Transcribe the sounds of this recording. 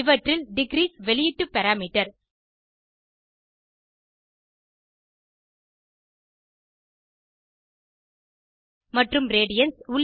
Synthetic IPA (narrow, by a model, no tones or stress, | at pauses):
ɪʋɐʈrɪlɖɪɡɾiːsʋɛɭɪjɪʈːɯpɐɾaːmiːʈːɐɾ | mɐʈrɯmɾeːɽɪjɐnsʊɭ